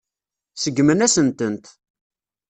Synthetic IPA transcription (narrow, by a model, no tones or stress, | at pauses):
səɡːmənæsənt̪ənt̪